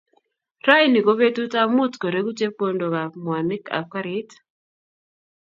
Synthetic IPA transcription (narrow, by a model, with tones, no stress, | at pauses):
ɾa˦jni˨ɡo˦βe˦tu˦ta˦mu˦tko˨ɾe˦ɡu˦t͡ʃe˦po˦ndo˨ka˨m˨a˨nɪ˦ka̰˨ka˦ɾɪ˦t